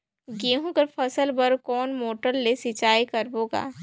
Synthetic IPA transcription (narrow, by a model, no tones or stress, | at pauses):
ɡeːɦũkɐpʰɐsəlbəɾkɔːnmoːʈəɾːesɪt͡ʃaːikɐɾboːɡa̰ː